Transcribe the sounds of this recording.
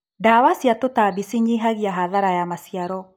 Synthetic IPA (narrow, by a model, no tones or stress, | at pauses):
daːwasiatotabisiɲeɦaɣiaɦaðaɾajamasiaɾɔ